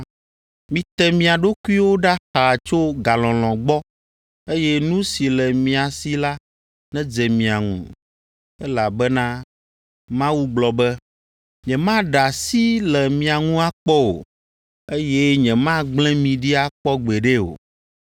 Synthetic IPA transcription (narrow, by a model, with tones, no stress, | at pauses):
mĩ˨t̪ɛ˦mĩ˨a˨ɖo˦ku˦i˦wo˦ɖa˦xa˨t͡ʃo˦ɡa˨lɔ̃˨lɔ̃˨ɡ͡bɔ˦ | e˦jɛ˦nũ˦si˨lɛ˨mĩ˨a˨si˦la˦ | nɛ̃˦d͡zɛ˨mĩ˨a˨ŋṵ̃˨ | ɛ˦la˨bɛ˦nã˦ | mã˦wu˦ɡ͡blɔ˨bɛ˦ | ɲɛ̃˨mã˦ɖa˨si˦lɛ˨mĩ˨a˨ŋũ˦a˦k͡pɔ˦o̰˨ | e˦jɛ˦ɲɛ̃˨mã˦ɡ͡blɛ̃˦mĩ˨ɖi˦a˦k͡pɔ˦ɡ͡bɛ˨ɖe˦o̰˨